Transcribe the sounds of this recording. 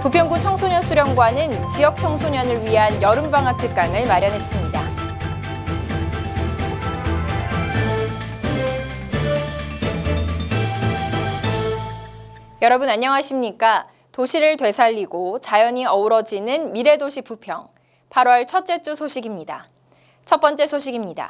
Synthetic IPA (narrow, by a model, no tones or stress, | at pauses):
pupʰjʌŋɡut͡ɕʰʌŋsʰoɲʌnsʰuɾjʌŋɡwanɯnt͡ɕijʌk̚t͡ɕʰʌŋsʰoɲʌnɯɭɥiɦanjʌɾɯmbaŋɦatʰɯk̚k͈aŋɯɭmaɾjʌnɦe̞s͈ɯmɲida | jʌɾʌbɯnaɲːʌŋɦaɕʰimɲik͈a | toɕʰiɾɯɭtwe̞sʰaʎːiɡot͡ɕajʌɲiʌuɾʌd͡ʑinɯnmiɾe̞doɕʰip͈upʰjʌŋ | pʰaɾwʌɭt͡ɕʰʌt̚t͡ɕ͈e̞t͡ɕ͈usʰoɕʰiɡimɲida̰ | t͡ɕʰʌp͈ʌnt͡ɕ͈e̞sʰoɕʰiɡimɲida̰